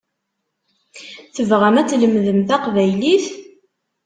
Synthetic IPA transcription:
θəvʁəmæt͡sːləmðəmθæqvæjliθ

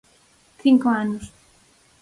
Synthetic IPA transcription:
θiŋkoanʊs

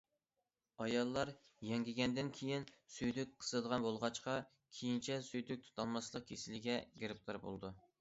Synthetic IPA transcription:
ɑjɑlˠːɑɾ | jɛŋɡʲiɡʲɛnd̪ɪnkʲʰejinsyjd̪yk̚ʲqʰə̥sɨd̪əʁɑnbolˠʁɑt͡ʃqɑ | kʲʰejint͡ʃʰɛsyjd̪yk̚ʲt̪ʰu̥t̪ʰɑlˠmɑslˠəq̚kʲʰesɪlɪɡʲɛɡʲeɾɪp̚t̪ʰɑɾbo̰lˠd̪u

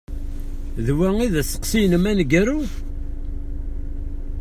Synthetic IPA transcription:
ðwæŋiðæsə̥qsinəmænɡæɾu

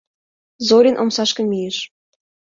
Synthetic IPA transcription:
zoɾʲinʔomsɑʃkə̆mijeʃ

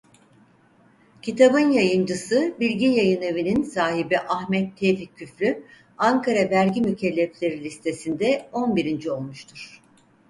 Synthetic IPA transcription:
cʰit̪ʰabɯnjajɯnd͡ʒɯsɯbilʲɟijajɯne̞vininsaːɦibiʔaxmɛt̪ʰːevicʰːyfɾʲy | aŋkʰaɾabæɾɟimycʰɛlʲːɛplʲe̞ɾilʲist̪ʰe̞sind̪ɛo̞nbiɾind͡ʒio̞lˠmuʃt̪ʰuɾ̥

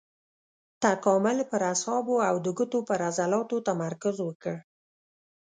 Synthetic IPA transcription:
t̪akɑmʊlpəɾashɑboawd̪əɡut̪opəɾazalɑt̪ot̪amaɾkazwəkəɽ

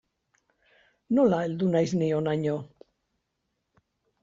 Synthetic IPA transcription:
nolaeld̪unajznionaɲo

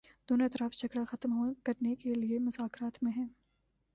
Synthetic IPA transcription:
d̪oːnoɪt̪ɾaːfd͡ʒɐɡɽaxɐt̪mɦokɐɾnekeliemʊzaːkɾaːt̪mẽɦɛ̃ː

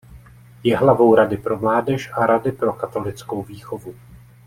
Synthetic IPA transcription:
jɛɦlavo̞wɾadɪpɾo̞mlaːdɛʃʔaɾadɪpɾo̞kat̪o̞lɪt͡sko̞wviːxovu

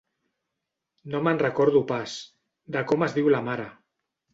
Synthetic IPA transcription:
nomanrəkɔɾðupas | d̪akomazðiwlamaɾa

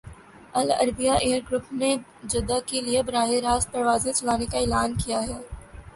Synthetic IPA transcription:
ɐlɐ̰ɾbijaʔeːəɾɡɾʊpned͡ʒɐd̪akeliebɾaːɦɪɾaːspɐɾʋaːzẽt͡ʃɐlaːnekaɪːlaːnkijaɦɛː

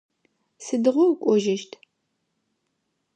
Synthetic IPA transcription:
sɨdɨʁʷɔwkʷʼɔʒɪʃtʰ

